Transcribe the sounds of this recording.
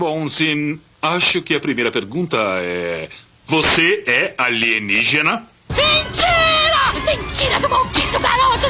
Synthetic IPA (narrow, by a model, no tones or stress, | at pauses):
bõsĩ | aʃʊkɪɐpɾimejɾɐpeɾɡũnt̪ɐɛ̰ | voseɛalieniʒenɐ | vit͡ʃeɾɐmẽɲt͡ʃ̪iɾɐzʊmowkit̪ʊɡaɾot̪ʊ